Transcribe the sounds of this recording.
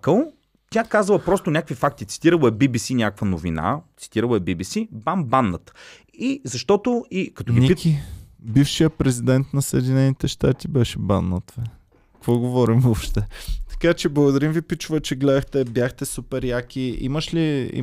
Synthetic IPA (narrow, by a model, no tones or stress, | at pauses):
kəlˠ | t̪ʲakazəlˠɐpɾɔst̪onʲakəkvifak̚t̪it̪si̥t̪iɾəlˠoɛbibisinʲakəkvənovina̰t̪si̥t̪iɾəlˠɐɛbibisibambanːət̪ | izɐʃt̪ɔt̪oikɐt̪oɡipikibifʃijəpɾɛzid̪ɛnt̪nɐsɐɛd̪inɛnit̪ɛʃt̪at̪ibɛʃɛbanːət̪vɛ̥ | kvɔɡovɔɾimvɔpʃt̪ɛt̪ɐ̥kat͡ʃɛblˠɐɡod̪ɐɾimvipit͡ʃʊvət͡ʃɛɡlɛd̪əxt̪ɛbjaxt̪ɛsupɛɾjakʲiḭməʃliḭ